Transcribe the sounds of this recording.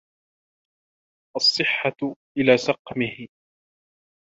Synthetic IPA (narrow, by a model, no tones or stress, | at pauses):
ʔɑsˤːɨħːaʔɪlaːsɑqmɪhɪ